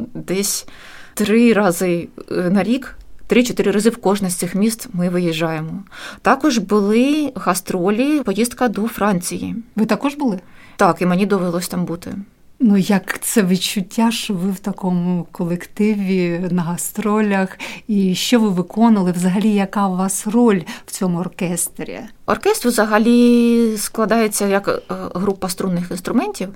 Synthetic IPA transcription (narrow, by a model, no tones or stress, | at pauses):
d̪ɛsʲ | t̪ɾɪɾɑzɪnɐɾʲikt̪ɾɪt͡ʃɔt̪ɪɾʲɪɾɑzɨwkɔʒnɐsʲt̪sɪxmʲist̪mɪʋɪjɪʒːɑjemɔt̪ɑkɔʒbʊlˠɪɣɐst̪ɾɔlʲipɔjist̪̚kɐd̪ɔfɾɑnʲt͡sʲijḭʋɪt̪ɐkɔʒbʊlˠɪ | t̪ɑkimenʲid̪ɔʋelˠɔsʲt̪ɑmbut̪ɪ̰ | nujɐkt̪sɛʋɪt͡ʃʊtʲːaʃt͡ʃɔʋɪwt̪ɐkɔmʊkɔlˠekt̪ɪʋʲinɐɦɐst̪ɾɔlʲɐxiʃt͡ʃɔʋɪʋɪkɔnɐlˠɪwzɐɦɐlʲijɐkɑʋɑsrɔlʲw̥t͡sʲɔmʊɔrkɛst̪ɾʲḭ | ɔ̰rkɛst̪ɾwzɐɦɐlʲisklˠɐd̪ɑjet͡sʲːɐjɐkɦɾupːɐst̪ɾunːɪxinst̪ɾʊmɛnʲtʲiw